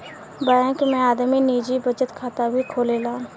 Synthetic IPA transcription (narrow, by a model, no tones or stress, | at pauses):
bəɽɛ̃kmɛ̃aːd̪miniːd͡ʒibəd͡ʒət̪kʰaːt̪abʱikʰoːlelaː